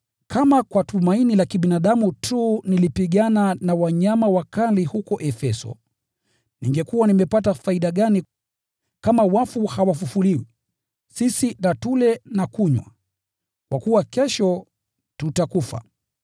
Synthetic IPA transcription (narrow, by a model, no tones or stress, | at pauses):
kʰamakwatumainilakiɓinaɗamutʰuːnilipiɠananawaɲamawakalihukɔʔɛfɛsɔ̰ | niŋɡɛkuwanimɛpatafaiɗaɠani | kamawafuhawafufuliwi | sisinatulɛnakuɲwa̰ | kwakuwakɛʃɔ | tutakufa̰